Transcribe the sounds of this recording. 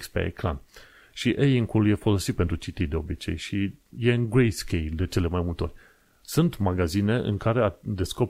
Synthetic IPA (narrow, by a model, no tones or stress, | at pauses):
spḛḛkɾa̰n | ʃiʔejiŋkulje̞fo̞lo̞sit̪̚pe̞nt̪ɾut͡ʃit̪id̪e̞obit͡ʃe̞̰jʃije̞ɨnɡɾejskʲejld̪e̞t͡ʃele̞majmult̪eo̞̰rʲ | sunt̪maɡazine̞ʔɨ̰ŋkaɾe̞ad̪e̞sko̞p